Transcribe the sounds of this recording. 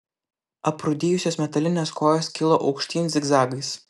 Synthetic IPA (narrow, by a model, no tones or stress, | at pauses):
ɐpɾʊd̪ʲiːjʊsʲoːsmʲɛt̪ɐlʲɪnʲeːskoːjoːskʲɪlˠoːʔɒʊkʃʲt̪ʲiːnʲɪsʲɪɡzɑːɡʲis